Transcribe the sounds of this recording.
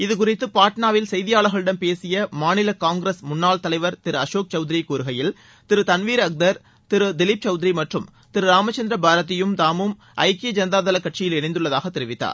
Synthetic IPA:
ɪðɯk̬ʊrɪt̪ːɯpaːʈnaːʋɪlsɛjðɪjaːɭɐɣɐɭɪɽɐnpeːsɪjɐmaːnɪlɐkaːŋɡɾesmʊnːaːɭt̪ɐlɐɪʋɐɾt̪ɪɾɯɐʂoːk̚t͡ʃɐʊðɪɾikuːɾɯɣɐjɪl | t̪ɪɾɯt̪ɐnʋiːɾɐk̚d̪ɐɾ | t̪ɪɾɯd̪ɪlɪp̚t͡ʃɐʊðɪɾimɐʈrɯm | t̪ɪɾɯɾaːmɐt͡ʃːɐnd̪ɾɐbʱaːɾɐt̪̬ːɪjɯmt̪aːmɯm | ʔɐ̰ɪked͡ʒɐnɐd̪aːðɐlɐkːɐʈ̚t͡ʃːɪjɪlɛnɪnd̪ɯɭːɐðaːɣɐt̪ːɛɾɪʋɪt̪ːa̰ːɾ

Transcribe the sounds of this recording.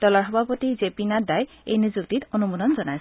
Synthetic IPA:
dɔlaɹɦɔbʱapotizepinadaj | ḛjnizuk̚titonumudɔnzɔnaj

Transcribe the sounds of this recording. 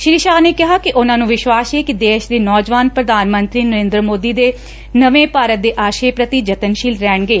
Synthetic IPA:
ʃɪɾiːʃaːneːkɪɦaːkɪʔʊnãːnũːʋɪʃʋaːseːkɪd̪eːʃd̪eːnɔːd͡ʒʋaːnpɾəd̪aːnmə̃nt̪ɾiːnəɾẽːnd̪ɾəmoːd̪iːd̪eː | nəʋẽːpaːɾət̪̚d̪eːʔaːʃeːpɾət̪id͡ʒət̪ənʃiːlɾɛːɳɡeː

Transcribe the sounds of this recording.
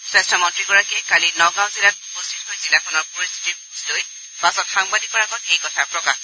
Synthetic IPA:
swɛstʰamɔntɹiɡɔɹakɛkalinɔɡãwzilat̚upɔstʰitɦojzilakʰɔnɔɹpɔɹist̪ʰi̥tipuzloj | pasɔtxaŋbadikɔɹaɡɔtejkɔtʰaɹpɹɔkax

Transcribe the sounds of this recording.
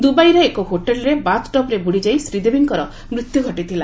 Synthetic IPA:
d̪ubajɾeːkoɦoʈelɔɾebatʈɔpɾebuɽid͡ʒajsɾid̪ebiŋkɔɾɔ | mɾit̪juɡʱɔʈit̪ʰila

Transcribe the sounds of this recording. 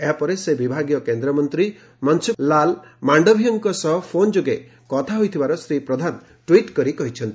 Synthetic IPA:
eɦapɔɾesebibʱaɡjɔkend̪ɾɔmɔnt̪ɾi | mɔnsuːalmaɳɖɔbʱiɔŋkɔsɔɦɔpʰond͡ʒoɡe | kɔt̪ʰaɦojt̪ʰibaɾɔsɾipɾɔd̪ʱan | ʈwiʈkɔɾikɔɦit͡ʃʰɔnt̪

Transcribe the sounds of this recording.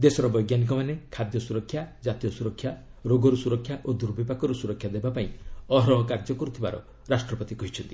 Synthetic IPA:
d̪esɔɾɔbɔjɡjanik̬ɔmanekʰad̪jɔsuɾɔkʰːjad͡ʒat̪ijɔsuɾɔkʰːja | ɾoɡɔɾusuɾɔkʰːjaʔod̪uɾbipakɔɾusuɾɔkʰːjad̪ebapaĩɔɦɾɔɦɔkaɾd͡ʒɔkɔɾut̪ʰiba̰ɾɔ̰ | ɾasʈɾɔpɔt̪ikɔɦit͡ʃʰɔnt̪i

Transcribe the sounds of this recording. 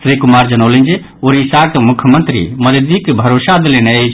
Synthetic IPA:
sɾikumaɾd͡ʒənolə̃nd͡ʒe | oːɾisakemʊkʰjəmənt̪ɾḭməd̪d̪ikːebʱəɾoːsad̪eleneet͡ʃʰ

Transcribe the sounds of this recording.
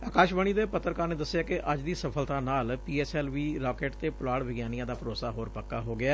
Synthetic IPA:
aːkaːʃʋəɳ̃iːd̪eːpət̪ɾəkaːɾneːd̪əsːɪjaːkɪʔʔəd͡ʒd̪iːsəpʰəlt̪ãːnaːlpiːɛːsɛːlʋiːɾɔːkeːʈt̪eːpʊlaːɽʋɪɡjaːnijãːd̪aːpʰəɾoːsaːɦoːɾpəkːaːɦoːɡɪaː

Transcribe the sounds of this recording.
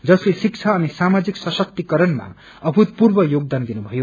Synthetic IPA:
d͡zʌslesik̚t͡sʰaːnisamad͡ziksʌsʌk̚t̪ikʌɾʌnma̰ | ʌbʱut̪̚purbʌjoɡ̚d̪and̪inubʱʌjo

